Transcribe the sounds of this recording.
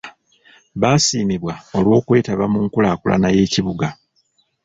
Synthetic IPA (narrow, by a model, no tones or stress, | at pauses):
βaːsiːniβwao̞lwo̞ːkwe̞ːtaβamuŋkulaːkulʔa̰naje̞ːciβuɡa